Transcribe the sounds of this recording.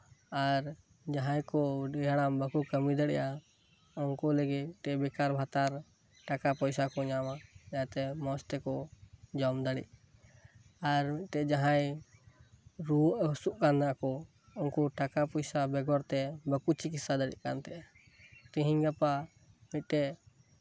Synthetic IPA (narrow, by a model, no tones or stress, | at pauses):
aɾ | d͡ʒaɦãjkɔɖɛɦɽambəkukəmid̪əɽɛ̰ʔa | ɔnkɔləɡit̪ɛbɛkaɾbʱat̪aɾ | ʈakapɔjsakɔɲamaɛjat̪ɛmɔ̃st̪ɛkɔd͡ʒɔmd̪aɽḭʔ | aɾmit̪̚t̪ɛd͡ʒaɦaj | ɾusuʔkanːaʔkɔ | ɔnkɔʈakapɔjsabɛɡɔɾt̪ɛbəkut͡ʃikisad̪əɽḭʔ̚kant̪ɛʔ | t̪iɦiɲɡapa | mit̪̚ˀʈɛʔ